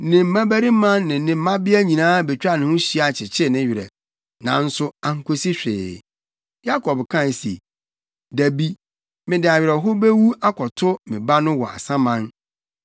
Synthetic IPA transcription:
nɪ̃˨m̩˨mã˦bæ˦ɾi˦mã˦nːɪ̃˨˦nɪ̃˨m̩˦mã˦bɪ˦æ˦ɲĩ˨nãː˦bɛ˨t͡ɕᶣa˦˨nɪ̃˨˦ʊ̃˦ɕi˦a˨t͡ɕʰɪ˨t͡ɕʰɪ˦˨nɪ̃˦ɥɪ˨ɾɛ̰˨ | nã˨˦n̩˦sʊ˦ã˨ŋ̩˦kʰo˦si˦ɕᶣɪ̰ː˨ | ja˦kʰɔ˨bkʰã˦˨n˨sḭ˨ | dæ˨bi˦ | mɪ̃˨dɪ˨a˨ɥɪ˨ɾɛ˨ɦʊ˦be˦wu˦a˦kʰɔ˨tʰʊ˦mɪ̃˨ba˦nʊ̃˦wɔ˨a̰˨sã˦mã˦n

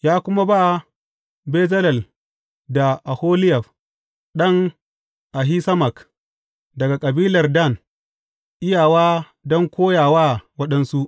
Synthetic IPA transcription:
jaː˦kʷʊ˦ma˦ba˦˨ | beː˦zɐ˦lɐ˨l | da˨ʔa˨hoː˦lɪ˦jɐ˨ɸ | ɗɐ˦ŋ | ʔa˨ɦi˦sɐ˦mɐ˨k | dɐ˨ɡa˨kʼɐ˨biː˦lɐ˨rda˦˨n | ʔɪ˦jaː˨waː˦ | dɔ˦ŋkʷoː˦jaː˨waː˦˨wɐ˦ɗɐ˦nsu˦ʔ

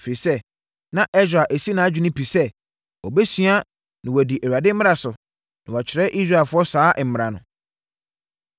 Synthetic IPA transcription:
fɾi˨sɛ˦ | nã˨ʔɛ˦sᶣa˨ʔæ˨si˦nã˨˦a˦d͡ʑᶣɪ˦nʊ̃˦pʰi˨sɛ˦ | ɔ˨bɛ˦sɥa˦ | nɪ̃˨wɔ˨di˨ʔæ˨wu˨a˨dɪ˦m̩˦m˦ɾa˨sʊ˨ | nã˨wa˨t͡ɕʰɪ˨ɾɛ˦ʔi˦s̬ɾaː˦˨fʊ˦ɔ˦saː˦ʔm̩˨mɪ̃˨ɾa˨nʊ̰̃˨

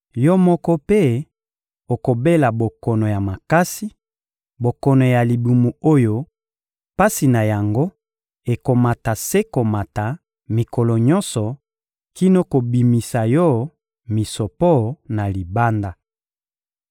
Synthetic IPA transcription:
jɔ˦mɔ˦kɔ˦pe˦ | o˨ko˨be˦la˨bo˨kɔ˨nɔ˨ja˨ma˨ka˦si˦ | bo˨kɔ˨nɔ˨ja˨li˨bu˨mu˨o˦jo˦ | pa˦si˨na˨ja˨ŋɡo˦ | e˨ko˨ma˨ta˨se˦ko˨ma˨ta˨ | mi˨kɔ˨lɔ˨ɲɔ˦nsɔ˨ | ki˦no˦ko˨bi˨mi˨sa˨jɔ˦ | mi˨sɔ˨pɔ˦na˨li˨ba˦nda˨

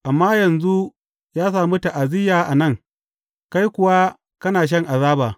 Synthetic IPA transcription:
ʔa˨mːaː˦jɐ˨nzu˦ | jaː˦s̬aː˨mu˦ta˨ʔa˨zɪ˦jaː˨ʔa˨nɐ˦ŋ | ka˦jkʷʊ˨wa˦ | kɐ˦naː˨ʃ̬ɐ˦ŋʔa˨zaː˦baː˨

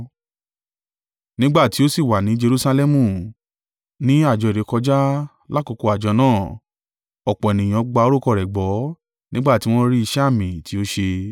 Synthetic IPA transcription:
nĩ˦ɡ͡ba˦˨ti˨˦o˦si˦˨wa˨nĩ˨˦d͡ʒe˧ɾu˧sa˧lɛ˦mũ˦˨ | nĩ˦a˦˨d͡ʒɔ˨i˨ɾe˨˦kɔ˧d͡ʒa˦ | la˦ko˧ko˧a˨d͡ʒɔ˧nãː˦˨ | ɔ˨k͡pɔ˨ɛ˨nĩ˨j̃ɔ̃˨˧ɡ͡ba˧o˦ɾo˦˨kɔ˧˨ɾɛ˨ɡ͡bɔ˨˦ | nĩ˦ɡ͡ba˦˨ti˨˦w̃ɔ̃˦ɾi˦i˧ʃɛ˦˨mĩ˨ti˨˦o˦ʃe˧

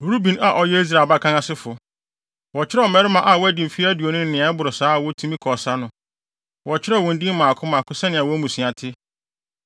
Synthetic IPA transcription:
ɾu˦bĩ˨na˨ʔɔ˨jɛ˦i˦s̬ɾa˨lba˦kʰã˦ŋã˦sɪ˦fʊ˨ | wɔ˨t͡ɕʰɪ˦ɾɛ˦ɔ˨mɛ˦ɾɪ˦mã˨ʔa˨wɔ˦æ˦dĩ˨m̩˨fi˦æ˦du˨o˨nʊ̃˦n˦nɪ̃˨a˨˦ɛ˦bʊ˨ɾʊ˨saː˦a˨wɔ˦tʰũ˦mĩ˦kʰɔ˨sa˦nʊ̃˦ | wɔ˨t͡ɕʰɪ˦ɾɛ˦˨wɔ̃˨n̩˦dĩ˦m˦mã˨kʰʊ̃˦mã˨kʰʊ˦sɛ˦nɪ̃˨a˨wɔ˦mũ˨sĩ˨a˨tʰɪ˦

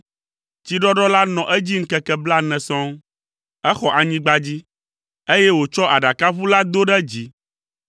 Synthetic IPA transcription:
t͡ɕi˦ɖɔ˦ɖɔ˦la˦nɔ̃˨ʔɛ˦d͡ʑi˦ŋ̩˦kɛ˦kɛ˦bla˦nɛ̃˨sɔ̃˦ŋ | ɛ˦xɔ˨ʔa˨ɲĩ˦ɡ͡ba˦d͡ʑi˦ | e˦jɛ˦wo˨t͡ʃɔ˦ʔa˨ɖa˨ka˦vu˦la˦d̪o˦ɖɛ˦d͡ʑi˨˦

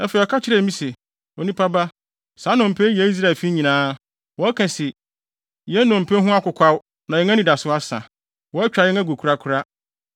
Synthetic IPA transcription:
ɛ˦fe˨ɔ˨kʰa˦t͡ɕʰɪ˦ɾe˦˨˦mĩ˦se˨ | ɔ˨nĩ˦pʰa˦ba˦ | sa˨˦nʊ̃˨m̩˨pʰe˦jɛ˦i˦s̬ɾa˦˨lfi˦ɲĩ˨nãː˦ | wɔ˦ɛ˦kʰã˨se˨ | jɛ˦nʊ̃˨m̩˨pʰe˦ɦʊ̃˦a˦kʊ˨kʷʰa˦w | nã˨jɛ˨˦ŋ˦ã˦nĩ˨da˨sʊ˦a˦sã̰˨ | wɔ˨˦ɛ˦t͡ɕᶣa˨jɛ˦ŋã˦ɡo˨kʰɾa˦kʰʊ˦ɾa˦

